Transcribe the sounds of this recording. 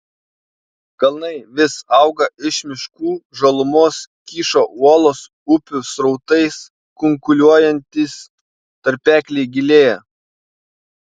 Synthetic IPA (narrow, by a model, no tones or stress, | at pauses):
ɡ̥ɐlˠnɐɪʋʲɪsɐʊɡɐʔɪʃmʲɪʃkuːʒɐlˠʊmoːskʲiːʃoːuɔlˠoːs | ʊpʲʊsɾɐʊt̪ɐɪs | kʊŋkʊlʲuɔjɛnʲt̪ʲɪs | t̪ɐɾʲpʲæːkʲlʲɛɪɡʲɪlʲeːjɛ